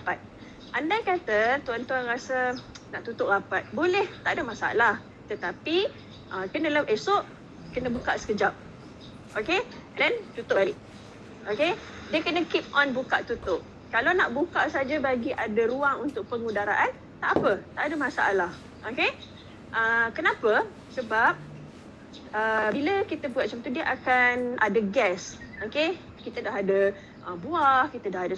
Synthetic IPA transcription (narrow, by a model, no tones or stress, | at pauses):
apat̪̚ | ʔandajkat̪ət̪uant̪uanɾasənaʔt̪ut̪ʊʔrapat̪̚bolɛht̪aʔadəmãsaa̰lah | t̪ət̪api | ʔəkənə̃ləpesoʔ | kənə̃bukaʔsə̥kəd͡ʒap̚ | ʔokendɛnt̪ut̪ʊʔʔ | oke | dekənə̃kip̚ɔ̃nbukaʔt̪ut̪ʊʔ | kalanaʔbukaʔsaad͡ʒabaɡiʔadəɾuaŋunt̪ʊk̚pəŋudaɾaʔan | t̪aʔapət̪aʔadəmasaalah | ʔoke | ʔəkənãpə | səbap̚ | əbiləkit̪əbuaʔ̚t͡ʃɔ̃mt̪udiəʔakanʔadəɡɛsoke | kit̪ədaɦadə | ʔəbuahkit̪ədaɦadə